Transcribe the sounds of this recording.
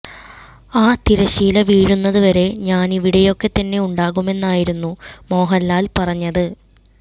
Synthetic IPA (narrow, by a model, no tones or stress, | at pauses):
aːt̪iɾɐɕiːlɐʋiːɻunːɐðuʋɐɾe̞ɲaːniʋiɽɐjo̞kːe̞t̪ɐnːe̞uɳɖaːɣume̞nːaːjiɾunːumo̞ːɦɐlːaːlpɐrɐɲːɐðɨ